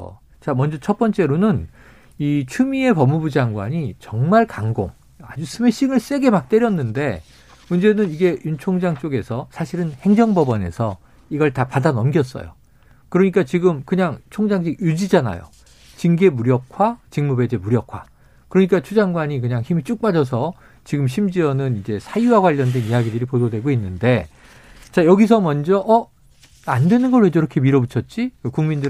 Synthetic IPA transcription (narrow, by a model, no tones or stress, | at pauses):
t͡ɕamʌnd͡ʑʌt͡ɕʰʌp͈ʌnt͡ɕ͈e̞ɾonɯn | it͡ɕʰumie̞pʌmːubud͡ʑaŋɡwa̰ɲit͡ɕʌŋmaɭkaŋɡo̰ŋ | a̰d͡ʑusʰɯmeɕ͈iŋɯɭs͈e̞ɡe̞mak̚t͈eɾjʌnːɯnde̞ | mund͡ʑe̞nɯniɡe̞junt͡ɕʰoŋd͡ʑaŋt͡ɕ͈oɡe̞sʰʌsʰaɕʰiɾɯnhe̞ŋd͡ʑʌŋbʌbʌne̞̰sʰʌ | iɡʌɭtapadanʌmɡjʌts̬͈ʌ̰jo̰ | kɯɾʌɲik͈at͡ɕiɡɯmkɯɲaŋt͡ɕʰoŋd͡ʑaŋɕ̬ʰiɡjud͡ʑid͡ʑana̰jo̰ | t͡ɕiŋɡe̞muɾjʌp̚kʰwat͡ɕiŋmube̞d͡ʑe̞muɾjʌp̚kʰwa̰ | kɯɾʌɲik͈at͡ɕʰud͡ʑaŋɡwaɲik̬ɯɲaŋçimit͡ɕ͈uk̚p͈ad͡ʑʌs̬ʰʌ | t͡ɕiɡɯmɕ̬ʰimd͡ʑiʌnɯnind͡ʑe̞sʰajuwaɡwaʎːʌndwe̞nijaɡidɯɾipododwe̞ɡoinːɯnde̞ | t͡ɕajʌɡis̬ʰʌmʌnd͡ʑʌʔʌ | andwe̞nɯnɡʌɭwed͡ʑʌiɾʌkʰemiɾʌbut͡ɕʰʌt̚t͡ɕ͈ikɯkuŋmindɯɾ